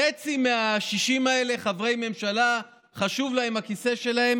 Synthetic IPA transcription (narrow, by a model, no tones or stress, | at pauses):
et͡simeaʃiʃimae̞le̞χavʁejme̞mʃala | χaʃuvlahemakise̞ʃe̞lahe̞m